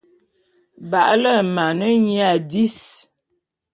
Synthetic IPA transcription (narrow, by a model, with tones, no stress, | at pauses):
ba̰˨ʔlə˦˨ma˨nə˦ɲi˦a˨di˦s